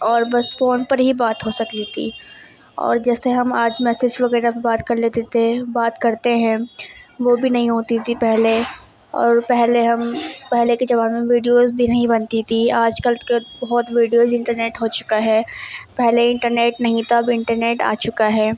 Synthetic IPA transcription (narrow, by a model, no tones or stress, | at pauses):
ɔːɾbɐsfɔːnpɐɾɦibaːt̪ɦosɐkt̪it̪ʰḭː | ɔ̰ːɾd͡ʒɛːseɦɐmaːd͡ʒmɛːsed͡ʒʋɐɡɛːɾapbaːt̪kɐɾleːt̪et̪ʰebaːt̪kɐɾt̪eɦɛ̃ʋoːbʱinɐɦĩɦoːt̪it̪ʰipɛɦle | ɔ̰ːɾpɛɦleɦɐmpɛɦlekid͡ʒɐbaːnmẽʋiːɖijoːzbʱinɐɦĩbɐnt̪it̪ʰiaːd͡ʒkəlkebɐɦɔt̪ʋiːɖijoːzɪ̃ɳʈəɾneːʈɦoːt͡ʃʊ̥kaɦɛːpɛɦleɪ̃ɳʈəɾneːʈnɐɦĩt̪abɪ̃ɳʈəɾneːʈa̰ːt͡ʃʊkaɦɛː